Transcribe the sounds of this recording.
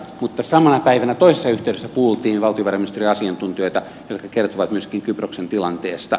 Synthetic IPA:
mut̪ːɑsɑmɑnɑpæiʋænæt̪oisesːɑyht̪eˑydesːæpuhult̪iːnʋɑlt̪ioʋɑrɑminist̪eriɑsiɑnt̪unt̪iøit̪æ | jot̪kɑkert̪oʋɑt̪myøskiŋkyproksent̪ilɑnt̪eːst̪ɑ

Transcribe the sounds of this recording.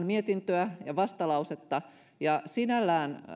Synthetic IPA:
nmiet̪int̪øæjɑʋɑst̪ɑlɑuset̪ːɑ | jɑsinælːæːn

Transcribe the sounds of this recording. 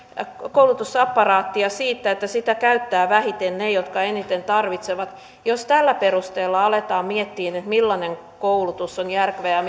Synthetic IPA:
kowlut̪usɑpːɑrɑːt̪ːiɑsiːt̪ːæet̪ːæsit̪ækæyt̪ːæːʋæhit̪ennejot̪kɑenit̪ent̪ɑrʋit̪seʋɑt̪ | jost̪ælːæperust̪eːlːɑɑlet̪ɑːmmiet̪ːiːnet̪milːɑneŋ | koulut̪usːonjærkʋejɑ

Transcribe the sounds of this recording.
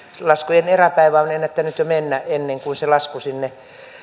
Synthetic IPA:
lɑskujeneræpæiʋæonenːet̪ːænyt̪jomenːæʔʔenːeŋkunselɑskusinːe

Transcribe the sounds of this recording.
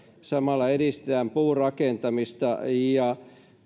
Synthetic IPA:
sɑmɑlːɑeɾist̪eæmpuːrɑkent̪ɑmist̪ɑjɑ

